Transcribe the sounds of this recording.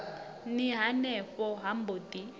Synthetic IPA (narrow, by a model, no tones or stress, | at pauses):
niɦanɛɸɔɦamboti